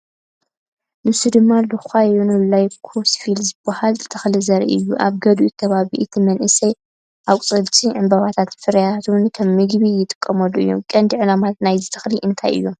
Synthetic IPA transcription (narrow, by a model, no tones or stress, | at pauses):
nɨsud̪ɨmːalɨxajunɨlːajkʰosfilzɨbːahalzɨt̪ʰɐ̥xlizɐɾḭʔɨjːuʔaβɡɐd̪uʔkʰɐβaβiʔɨt̪ʰimɐnʔɨsɐj | ʔawkʷʼt͡sʼɨlt͡ʃʼiʕɨmbɐβat̪ʰat̪fɨɾjat̪ʰunkʰɐmːɨɡβijɪt̪ʼɨ̥kʼːɐmɐlːuɨ̰jːomkʼɐnd̪iʕɨlamat̪̚najzɨt̪ʰɐ̥xliʔɨnt̪ʰajʔɨ̰jːo